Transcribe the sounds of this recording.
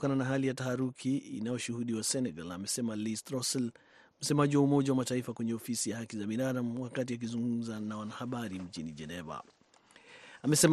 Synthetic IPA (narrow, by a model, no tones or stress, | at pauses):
kananaɦalijatahaɾukʰiḭnajɔʃuhuɗiwasɛnɛɡalamɛsɛmalistɾɔsɛl | m̩sɛmaʄiwaumɔʄawamataifakwɛɲɛɔfisijahakizaɓinaɗam̩wakatiak̬izuŋɡum̩zanawanahaɓaɾim̩t͡ʃinid͡ʒɛnɛva̰ | amɛsɛm